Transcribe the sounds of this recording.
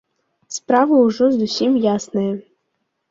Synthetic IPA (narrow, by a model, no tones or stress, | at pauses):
spɾɑʋʊʊʒɔzʊsʲimjasnɐjɛ